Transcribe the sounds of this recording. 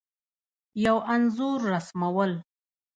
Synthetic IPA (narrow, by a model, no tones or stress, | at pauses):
jawanzuɾːasmawəl